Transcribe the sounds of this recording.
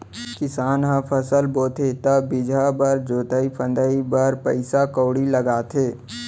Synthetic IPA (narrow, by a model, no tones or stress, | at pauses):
kɪsaːnɦãpʰəsəlboːt̪ʰet̪ɐbɪd͡ʒʱabəɾd͡ʒoːt̪aipʰə̃nd̪əibəɾpəɪsakoːɽiləɡaːt̪ʰeː